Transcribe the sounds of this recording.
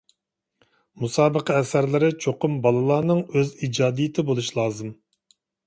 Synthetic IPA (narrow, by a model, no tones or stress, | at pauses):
musɑːbəqəɛsæɾlɪɾɪt͡ʃʰoqʊmbɑlˠɨlˠɑːnɨŋøzid͡ʒɑːd̪ijɪt̪ʰɪbolˠuʃlˠɑːzɨm